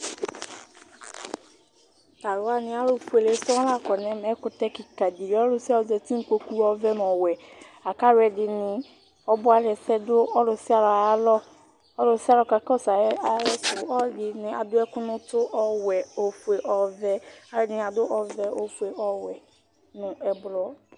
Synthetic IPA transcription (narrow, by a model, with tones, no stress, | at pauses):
ta˨ɾʊ˨wa˦nɪ̃˨˦a˦lʊ˨fu˨e˨le˨˦sɔ̃˦la˨kɔ˨nɛ̃˨mɛ˨˦kʊ˨tɛ˦ki˨ka˨di˨ɾɔ˦lʊ˨si˦a˦ɔ˨zɛ˨ti˦ŋ̩˦ko˨ku˦ɔ˦vɛ˦n˨ɔ˨wɛ˨a˨ka˦ɾɛ˨dɪ˨nɪ˨ | ɔ˦bʊ˦a˦lɛ˨sɛ˦dʊ˦ɔ˦lʊ˨sɪ˦a˦lɔ˨˦lɔ˦ | ɔ˦lʊ˨sɪ˦a˦lɔ˨ka˨kɔ˦sa˨ɛ˦a˨˦ɾɛ˦sʊ˨ɔ˦dɪ˨nɪ̃˨a˨dʊ˦ɛ˦kʊ˦nʊ̃˦tʊ˦ʔɔ˨wɛ˨o˨fu˨e˨ʔɔ˨vɛ˦a˨˦lɛ˦˨nɪ˨a˨dʊ˦ʔɔ˨vɛ˦o˨fu˨e˨ɔ˨wɛ˨ | nʊ̃˨ɛ˨blɔ˨˦